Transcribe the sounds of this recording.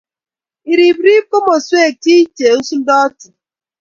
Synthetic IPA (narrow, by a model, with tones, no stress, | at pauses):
i˨ɾi˨bɾi˦ko˦mo˨swe˦˨ti˦t͡ʃe˨o˦su˦dɔ˦tʊ˨